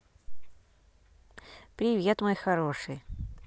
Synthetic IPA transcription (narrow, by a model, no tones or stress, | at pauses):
pɾʲɪvʲet̪mojxɐɾo̞ʂɨj